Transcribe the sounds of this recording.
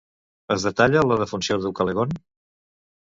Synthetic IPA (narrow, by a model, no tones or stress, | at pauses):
əzðət̪aʎələðəfunsioðəwkəleɣon